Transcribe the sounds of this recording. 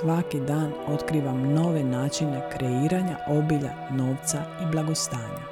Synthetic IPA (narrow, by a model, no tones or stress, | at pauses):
sʋakid̪aːno̞t̪kɾiːʋamno̞ʋe̞naːt͡ʃine̞kɾe̞iːɾaɲaʔo̞biʎa̰ | no̞ːʋt̪saiblˠaɡo̞st̪aːɲa̰